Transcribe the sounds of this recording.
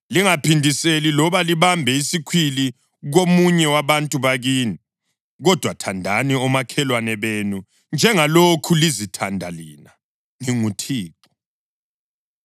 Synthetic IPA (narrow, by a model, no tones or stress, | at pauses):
liŋapʰindʱiselilɔβaliβambʱɛisikʰwili | ɣomuɲɛwaβantʼuβaɣiːni | ɣɔd̥ʱwatʰandʱaniɔmakʰɛlwanɛβenu | nd͡ʒʱɛŋalokʰulizitʰandʱalina | ŋiŋutʰiːǃɔ̥